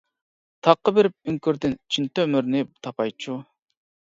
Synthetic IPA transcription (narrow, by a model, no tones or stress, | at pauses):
t̪ʰɑqːəbɪɾɪp̚yŋkʲyɾd̪ɪnt͡ʃʰint̪ømyɾnɪt̪ʰɑpɑjt͡ʃʰu